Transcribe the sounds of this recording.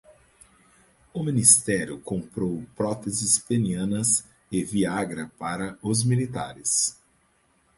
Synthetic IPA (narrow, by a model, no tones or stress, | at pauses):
ʊminist̪ɛɾjʊkõmpɾowpɾɔt̪ezɪspeniɐ̃nɐs | ɪviaɡɾɐpaɾɐʊzmilit̪a̰ɾɪs